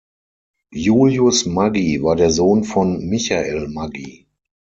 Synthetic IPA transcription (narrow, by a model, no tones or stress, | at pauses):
juːljʊsmaɡivaːɐdeːɐzoːnfɔnmɪçaʔḛlmaɡḭ